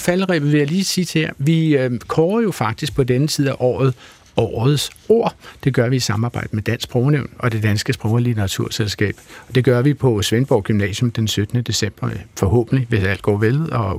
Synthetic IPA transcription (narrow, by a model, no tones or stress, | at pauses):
fæləʁɛ̰b̥ð̩ˠʋe̝jæliːsʰiːd̥heɐ̰ʋikʰɒːɐjo̝fɑ̈ɡ̥̚d̥isɡ̥̚pʰɒ̽d̥enət͡sʰið̰ˠæʔɒ̰ːð̞̩ˠ | ɒ̰ːð̩ˠso̝ɐ̰d̥e̝ɡ̥ɶɐʋiːsɑ̈mɑ̈ːbɑ̈ɪ̰d̥əmed̥æn̰sɡ̚b̥ʁɔʊneʊnɒ̽d̥e̝d̥ænsɡ̥əsb̥ʁɔʊɐlit͡sʰeʁɑ̈t͡sʰuɐ̰selsɡ̥ɛ̰ːb̥ɒ̽d̥e̝ɡ̥ɶɐʋipʰɒ̽sʋenb̥ɒʊɡ̥ymnɛ̰ːsjɔ̽md̥ensød̥ənəd̥e̝sem̰b̥ɐfɒ̽hɔ̰̽ːb̥n̩liʋe̝sæl̰d̥ɡ̥ɒ̰ːʋelðˠɒ̽